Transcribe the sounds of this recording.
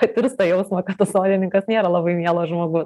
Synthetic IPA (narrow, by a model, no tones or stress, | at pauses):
ɐt̪ʲɪɾst̪ɐjɛʊsmɐkɐt̪t̪ːɐsoːd̪ʲɪnʲɪŋkɐsnʲeːɾɐlˠɑbɐɪmʲiɛlˠoːʒmoːɡʊs